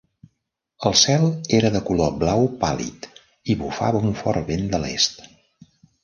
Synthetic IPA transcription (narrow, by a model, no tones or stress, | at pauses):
əlˠsɛlˠeɾəðəkuloblawpa̰lḭt̪ | iβufa̰βəuɱfɔɾβend̪əlḛst̪